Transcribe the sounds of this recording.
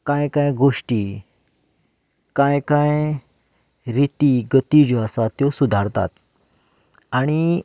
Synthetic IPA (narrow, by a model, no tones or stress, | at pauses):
kajkajɡoʂʈi | kãjkãj | ɾit̪iɡət̪id͡ʑoasat̪jɔsud̪ʱaɾt̪a̰t̪ | aɽ̃i